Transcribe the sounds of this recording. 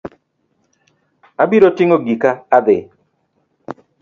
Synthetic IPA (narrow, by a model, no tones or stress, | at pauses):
abiɾotɪŋoɡikaːd̪ɪ